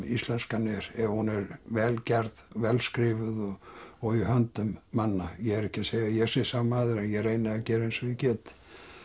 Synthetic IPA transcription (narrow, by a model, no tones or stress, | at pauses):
ist̪lɛnskanɛɾɛhunɛɾvɛːlcɛɾðvɛlskɾɪːvʏðɔɔɣɪhœnt̪ʏmːanːajɛɛɾɛhcɪseːjɣajɛsɪsamaːðʏɾɛnjɛrejnɪacɛːɾejnsʏcɛːt̪